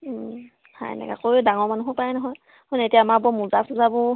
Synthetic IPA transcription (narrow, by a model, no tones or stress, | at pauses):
ha̰jnɛ̰ɡa̰koɹdaŋɔɹmanuɦɔpajnɔɦɔj | hɔnetijaːmaɹbɔmulzapʰuzabʊ